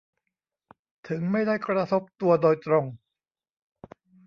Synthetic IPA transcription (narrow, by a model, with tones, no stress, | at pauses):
t̪ʰɯ˩˦ŋma˥˩jda˥˩jkɾa˧t̪ʰo˦˥p̚t̪u˧ɐdoː˧jt̪ɾo˧ŋ